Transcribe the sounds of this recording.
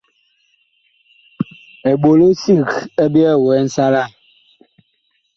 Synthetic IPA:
ɛ˨ɓo˨lo˦si˦˨kɛ˦bi˦ɛ˦˨wɛ˨˦n̩˦sa˦la˦˨

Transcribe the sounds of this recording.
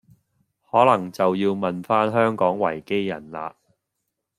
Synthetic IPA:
hɔː˨˥lɐ˨˩ŋt͡sɐ˨wjiː˧wmɐ˨nfaː˥nɦœː˥ŋkɔː˨˥ŋwɐ̰˨˩jke˥jːɐ̰˨˩nla̰ː˧˨

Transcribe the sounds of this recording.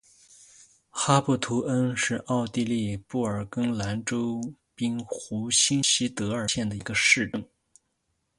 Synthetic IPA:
xa˥pu˥˩t̪ʰu˧˥ʔə˥nʂɻ̩˥˧ʔɑ˥˧ʊt̪i˥˧li˥˧pu˥˩ə˞˨˩kɤ˥ŋla˧˥nʈ͡ʂo˥ʊ | pi˥nxu˧˥ɕi˥nɕi˥t̪ɤ˧˥ə˞˨˩ɕjɛ˥˩nd̪ə˩i˧˥ɡə˧ʂɻ̩˥˧ʈ͡ʂɤ˥˩ŋ

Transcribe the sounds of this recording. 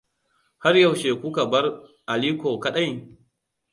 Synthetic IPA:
ha˦rja˦˨wʃeː˨kʷʊ˦ka˨bɐ˦rʔa˨liː˦kʷoː˨kɐ˦ɗa˦˨j

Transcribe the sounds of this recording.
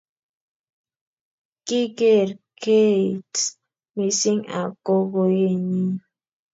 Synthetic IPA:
ki˦ɡe˦ɾkʰe˦it | mi˨si˦ŋa̰˨ko˦ɣo˨je˦˨ɲi˦

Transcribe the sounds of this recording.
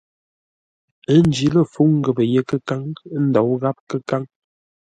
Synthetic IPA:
ə˦n˦d͡ʒi˨˦lə˦fu˨˦ŋ˦ɡə˨bə˨je˦kə˦ka˦ŋ˦n̩˦dɔ˨˦wɣa˦p̚kə˦ka˦ŋ

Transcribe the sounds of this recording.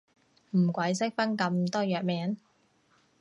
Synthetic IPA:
m̩˨˩kʷɐ˨˥jsɪ˥k̚fɐ˥nkɐ˧mt̪ɔː˥jœː˨k̚mɛː˨˥n

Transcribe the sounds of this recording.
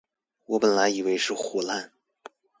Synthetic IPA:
wɔ˧˥pə˨˩nla˧˥ɪi˨˩we˧˥ɪʂɻ̩˥˩xɔ˨˩la˥˩n

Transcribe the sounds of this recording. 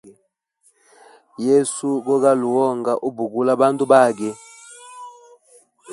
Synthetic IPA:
je˦su˦ɡɔ˦ɣa˦lu˨wɔ˦˨ŋɡa˨ʔu˦bu˨ɡu˦la˦ba˦ntu˦ba˦˨ɡɛ˦

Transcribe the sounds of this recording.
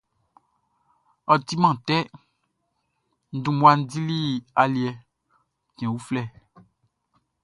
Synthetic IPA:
ɔ˨ti˦mã˦˨tɛ˦ | n̩˦dũ˦mwa˦n̩˦di˦li˦a˨li˨ɛ˨ | tɛ̃˨wu˦flɛ˦˨

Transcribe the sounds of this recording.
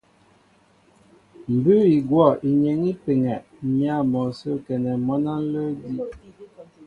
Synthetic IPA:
m̩˨bʉ˦i˨ɡwɔ˦˨i˨ɲe˨ŋi˦pe˨ŋɛ˨ʔɲa˦˨mɔ˨so˦kɛ˨nɛ˨mɔ˦na˦n̩˦lə˦di˦

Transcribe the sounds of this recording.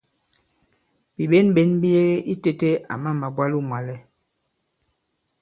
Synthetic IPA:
bi˨ɓe˦nɓe˨˦nbi˦je˦ʔi˦te˦te˦a̰˨ma˦˨ma˨bwa˦lu˦mwa˨lɛ˦

